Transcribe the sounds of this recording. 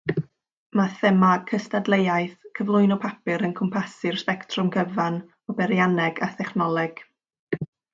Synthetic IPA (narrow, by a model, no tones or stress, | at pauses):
maθɛmakʰəstadlˠejajθkʰəvlˠʊɨnɔpʰapɪɾənkʰɔmpʰasɪr̥spɛktʰrʊmɡʰəvan | ɔbɛɾjanɛɡaθɛχnɔlˠɛɡ̥